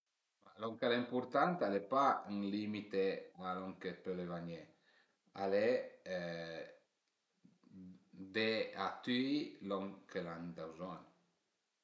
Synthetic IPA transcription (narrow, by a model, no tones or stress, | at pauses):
malɔŋkalaimpuɾt̪ant̪alepayŋlimit̪ealɔŋkepølevaɲe | a̰le | d̪eat̪yilɔŋkʰeland̪awzɔn